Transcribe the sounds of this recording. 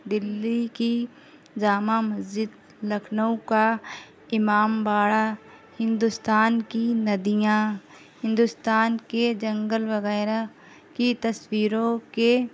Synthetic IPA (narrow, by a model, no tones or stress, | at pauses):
d̪ɪlːiki | d͡ʒaːmamɐzd͡ʒɪd̪ | lɐkʰnəwka | ɪmaːmbaːɽa | hɪ̃nd̪ʊst̪aːnkinɐd̪ijã | hɪ̃nd̪ʊst̪aːnked͡ʒɐ̃ŋɡəlʋɐɣɛːɾa | kit̪ɐswiːɾõke